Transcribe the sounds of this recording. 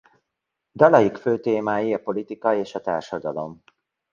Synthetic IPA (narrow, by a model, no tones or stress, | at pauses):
d̪ɒlɒjikføːt̪eːmaːjiɒpo̞lit̪ikɒeːʃɒt̪a̰ːrʃɒd̪ɒlo̞̰m